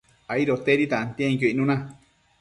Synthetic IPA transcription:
aiɾot̪eɾit̪aant̪ãĩjoinũnã

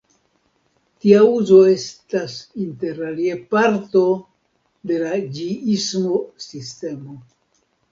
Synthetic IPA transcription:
tiauzo̞e̞stasinte̞ɾaliepaɾto̞ | de̞lad͡ʒiismo̞siste̞mo̞

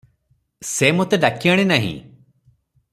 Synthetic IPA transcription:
semot̪ed̪akijaɽ̃enaɦḭ̃

